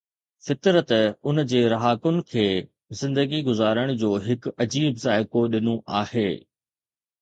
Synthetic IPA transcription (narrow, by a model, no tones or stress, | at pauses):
fɪt̪ɾət̪ʊnd͡ʑeːɾɐɦaːkʊnɪ̆kʰeː | zɪ̃nd̪əɡiɡʊzaːɾəɽ̃d͡ʑoːɦɪkɐd͡ʑiːbzaːɪkoɗɪnõʔaːheː